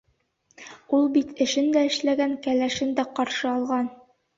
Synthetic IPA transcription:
ulˠbit̪ʰɘ̆ʃɘnd̪æɘ̆ʃlæɡæŋkælæʃɘnd̪æqɒɾʃɤɒlˠʁɑn

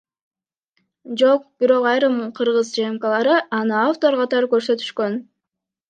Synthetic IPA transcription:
d͡ʒo̞q̚b̥iɾo̞qɑjɾɯmqʰɯɾʁɯzd͡ʒemkɑlˠɑɾɯʔɑnɯaft̪o̞ɾqʰɑt̪ɑɾɯkø̞ɾsø̞t̪y̥ʃkø̞n

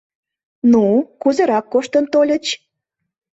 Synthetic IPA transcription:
nukuzeɾɑkːoʃt̪ənt̪olʲə̆t͡ɕ

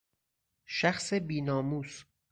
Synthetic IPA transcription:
ʃæxsebiːnɒːmuːs

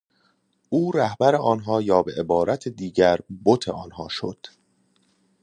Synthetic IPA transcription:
ʔuːɾæhbæɾe̞ʔɒːnɦɒːjɒːbeʔebɒːɾæt̪ʰed̪iːɟæɾbot̪ʰe̞̰ʔɒːnɦɒːʃo̰d̪̥

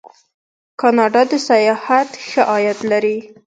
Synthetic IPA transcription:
kɑnɑɖɑd̪əsajɑhat̪xəʔɑjat̪laɾi

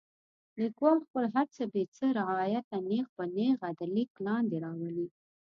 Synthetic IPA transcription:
likwɑlxpəlɦaɾt͡səbet͡səɾɪɑjat̪ːaneɣpəneɣad̪aliklɑnd̪eɾɑwəli

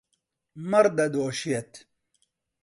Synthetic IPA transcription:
mɐɾd̪ɐd̪oːɕijɐt̪

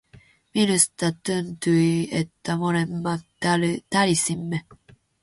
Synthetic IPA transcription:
minust̪at̪ːənt̪uiet̪ːamonemːa | lt̪alisimːe

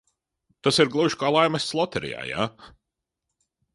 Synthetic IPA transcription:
t̪asiɾɡlˠuʃkaːlˠajmɐsslˠɔt̪ɛɾḭja̰ːja̰

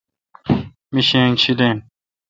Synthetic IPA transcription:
miɕẽːŋt͡ɕʰid̪ẽn

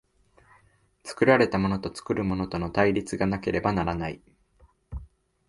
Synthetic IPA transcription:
t͡sɨ̥kɯ̟ɾaɾe̞t̪amo̞no̞t̪o̞t͡sɨ̥kɯ̟ɾɯ̟mo̞no̞t̪o̞no̞t̪aiɾʲit͡sɨɡanake̞ɾe̞banaɾanai

